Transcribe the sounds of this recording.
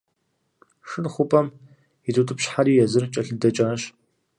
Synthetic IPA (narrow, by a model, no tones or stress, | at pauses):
ʂɨnχʷʊpʼɐm | itʼutʼɨpɕħaɾiːjɛzɨrt͡ʃʼɐɬɨdɐt͡ʃʼaːɕ